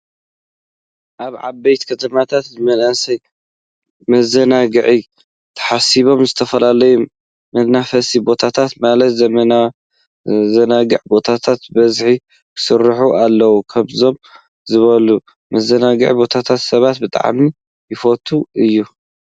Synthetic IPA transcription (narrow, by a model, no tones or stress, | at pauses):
ʔaβʕa̰bɐjt̪kʰɐt̪ʰɐmat̪ʰat̪zɨmɐnɐsɐj | mɐzɐnaɡɨʕi | t̪ʰɐ̥ħasiβo̞mzɨt̪ʰɐfɐlalɐju | mɐd̪nafɐsibo̞t̪ʰat̪ʰat̪malɐt̪zɐmɐna | zɐnaɡɨʕbo̞t̪ʰat̪ʰat̪bɐzħi | kʰɨ̥sɨrːɨħuʔalːɐwukʰɐmzo̞m | zɨβɐlu | mɐzɐnaɡɨʕibo̞t̪ʰat̪ʰat̪sɐβat̪bɨt̪ʼa̰ʕmi | jɪfot̪ʰuʔɨjːu